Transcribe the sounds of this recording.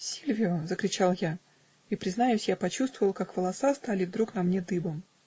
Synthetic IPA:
sʲilʲvʲɪʊzəkɾʲɪt͡ɕalˠja | ipɾʲɪznajʉsʲjapɐt͡ɕust̪vəvəlˠkakvəlˠɐsast̪alʲɪvd̪ɾuknɐmnʲed̪ɨbəm

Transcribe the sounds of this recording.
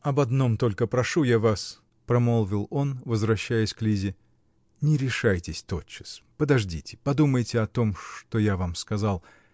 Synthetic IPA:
ɐbɐd̪no̞mt̪o̞lʲkəpɾɐʂujavas | pɾɐmolˠvʲɪlˠo̞nvəzvɾɐɕːæjɪsʲklʲizʲɪ | nʲɪɾʲɪʂajtʲɪsʲt̪o̞t̪t͡ɕːɪ̥spəd̪ɐʐdʲitʲɪ̥pɐd̪uməjtʲɪɐt̪o̞mʂt̪ojavamskɐzalˠ

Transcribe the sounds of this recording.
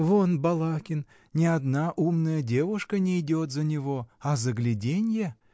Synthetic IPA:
vonbɑlˠɑkʲɪn | nʲead̪nɑʔumnəjədʲevuʂkənʲejdʲot̪zanʲevoazɨɡlʲidʲenʲje

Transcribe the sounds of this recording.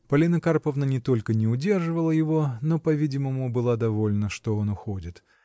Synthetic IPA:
pɐlʲinəkarpəvnənʲɪt̪o̞lʲkənʲɪʊdʲe̞rʐɨvəlˠəjɪvo̞no̞pɐvʲidʲɪməmʊbɨlˠad̪ɐvo̞lʲnəʂt̪o̞onʊxodʲɪt̪

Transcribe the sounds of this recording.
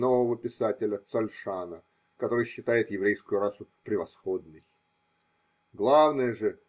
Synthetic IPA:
no̞vəvəpʲɪsatʲɪlʲət̪sɐlʲʂanə | kɐt̪o̞ɾɨjɕːɪt̪ajɪt̪jɪvɾʲejskʊjʊɾasʊpɾʲɪvɐsxo̞d̪̚nɨj | ɡlˠavnəjəʐɨ

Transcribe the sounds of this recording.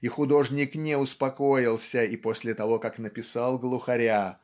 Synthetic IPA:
ixʊd̪o̞ʐnʲɪknʲɪʊspɐkojɪlˠsʲəiposʲlʲɪt̪ɐvo̞kaknəpʲɪsalˠɡlˠʊxɐɾʲa

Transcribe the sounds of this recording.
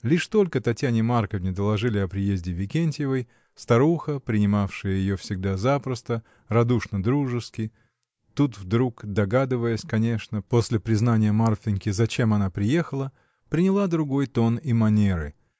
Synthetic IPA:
lʲiʂt̪o̞lʲkət̪ɐtʲjanʲɪmarkəvnʲɪd̪əlˠɐʐɨlʲɪɐpɾʲɪjezʲdʲɪvʲɪkʲenʲtʲɪjɪvəj | st̪ɐɾuxəpɾʲɪnʲɪmafʂɨjəjɪjofsʲɪɡ̚d̪azapɾəst̪ə | rɐd̪uʂnəd̪ɾuʐɨskʲɪ | t̪ut̪vd̪ɾukd̪ɐɡad̪ɨvəjəsʲkɐnʲe̞ʂnəpo̞sʲlʲɪpɾʲɪznanʲɪjəmarfʲɪnʲkʲɪzɐt͡ɕe̞mɐnapɾʲɪje̞xəlˠə | pɾʲɪnʲɪlˠad̪ɾʊɡo̞jt̪o̞nɪmɐnʲeɾɨ̰

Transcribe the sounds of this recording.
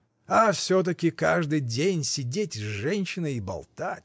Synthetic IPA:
ɐfsʲot̪̬əkʲɪkaʐd̪ɨjdʲenʲsʲɪdʲetʲʐɛnʲɕːɪnəibɐ̰lˠt̪atʲ

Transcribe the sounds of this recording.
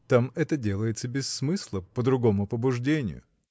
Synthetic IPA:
t̪amɛt̪ədʲe̞lˠəjɪt̪səbʲɪsːmɨsʲlˠəpəd̪ɾʊɡo̞mʊpəbʊʐdʲenʲɪ̰jʊ̰

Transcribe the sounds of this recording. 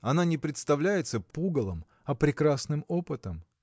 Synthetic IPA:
ɐnanʲɪpɾʲɪt̪st̪ɐvlʲæjɪt̪səpuɡəlˠəm | ɐpɾʲɪkɾasnɨmo̞pɨt̪əm

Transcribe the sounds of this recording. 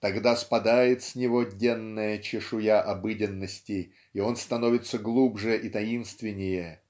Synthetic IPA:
t̪ɐɡd̪aspɐd̪ajɪt̪sʲnʲɪvo̞dʲenːəjət͡ɕɪʂʊjaʔɐbɨdʲɪnːəsʲtʲɪ | io̞nst̪ɐno̞vʲɪt̪səɡlˠubʐɨʔit̪ɐinst̪vʲɪnʲːɪjə

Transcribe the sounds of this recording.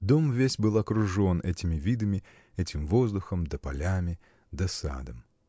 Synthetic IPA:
d̪omvʲesʲbɨlˠɐkɾʊʐo̞nʔɛtʲɪmʲɪvʲid̪əmʲɪ | ɛtʲɪmvo̞zd̪ʊxəmd̪əpɐlʲamʲɪ | d̪ɐsa̰d̪əm

